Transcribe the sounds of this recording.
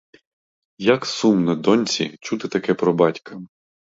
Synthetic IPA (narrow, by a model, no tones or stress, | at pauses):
jɐksumnɐd̪ɔnʲt͡sʲḭt͡ʃut̪ɪt̪ɐkɛpɾɔbɑtʲkɐ